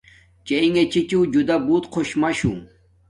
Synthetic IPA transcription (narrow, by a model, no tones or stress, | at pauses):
t͡ɕeiŋɡet͡ɕit͡ɕũd͡ʑud̪abuːt̪qʰoɕmaɕṵ̃